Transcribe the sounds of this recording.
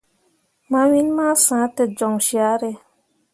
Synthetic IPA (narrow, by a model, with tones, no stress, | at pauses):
mã˧wi˦n˦ma˦sãː˨˦tɨ˨d͡ʒɔ˨ŋʃi˦a˦ɾe˧